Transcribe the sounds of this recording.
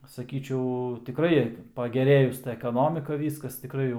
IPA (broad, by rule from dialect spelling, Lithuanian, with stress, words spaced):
sɐˈkʲiːt͡ʃʲɛʊ tʲɪˈkrɐɪ pɐɡʲɛˈrʲeːjʊs tɐ ɛkɐˈnoːmʲɪkɐ ˈʋʲiːskɐs tʲɪˈkrɐɪ jɛʊ